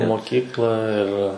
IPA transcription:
moːˈkʲiːklˠɑː ɪr

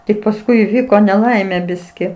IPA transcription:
tʲɪk pɐsˈkʊɪ iːˈʋʲiːkoː nʲɛˈlˠɐɪmʲeː ˈbʲɪsʲkʲɪ

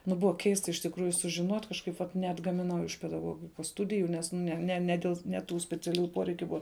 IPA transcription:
ˈnʊ ˈbʊʋɐ ˈkʲɛɪstɐ ɪʃ tʲɪkˈruːjʊ sʊʒʲɪˈnoːtʲ kɐʃˈkɐɪp ʋɐt nʲɛɐdɡɐmʲɪˈnɐʊ ɪʃ pʲɛdɐˈɡoːɡʲɪkoːs ˈstʊdʲɪjʊ ˈnʲɛs nʲɛ nʲɛ nʲɛ ˈdʲeːlˠ nʲɛ ˈtuː sʲpʲɛt͡sʲɛˈlʲuːjʊ ˈpoːrʲɛɪkʲʊ ˈbʊɐ

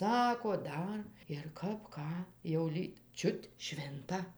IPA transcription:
ˈsɑːkoː ˈdɐr ɪr ˈkɐp ˈkɑː jɛʊ ˈlʲiːk ˈt͡ʃʲʊt ˈʃʲʋʲɪntɐ

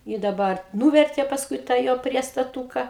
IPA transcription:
ɪ dɐˈbɐr ˈnuːʋʲɛrʲtʲeː pɐsˈkʊɪ tɑː ˈjoː pʲrʲiɛstɐˈtuːkɐ

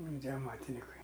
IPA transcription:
tʲiɛ ɐˈmɑːtʲɪnʲɪkɐɪ

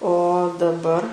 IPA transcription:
oː dɐˈbɐr

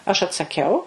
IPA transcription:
ɐʃ ɐtsɐˈkʲɛʊ

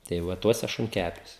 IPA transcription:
tɐɪ ˈʋɐ ˈtuɔsʲɛ ʃʊŋʲˈkʲæpʲuɔs

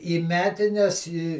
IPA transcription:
iː ˈmʲæːtʲɪnʲɛs iː

